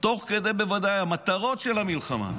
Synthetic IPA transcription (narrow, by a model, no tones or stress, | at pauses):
t̪o̞χked̪ejbevad̪ajamat̪aʁo̞t̪ʃelhamilχama̰